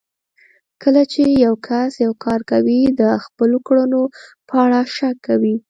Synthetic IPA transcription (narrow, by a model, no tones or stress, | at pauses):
kʰəlat͡ʃejawkʰasjawkʰɑɾkawid̪əxpəlokɽənopəaɽaʃakːawi